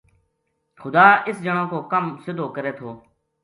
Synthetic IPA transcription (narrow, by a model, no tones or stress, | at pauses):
xʊd̪aːɪsd͡ʒəɳ̃ãːkoːkəmsɪd̪ʱoːkəɾeːt̪ʰoː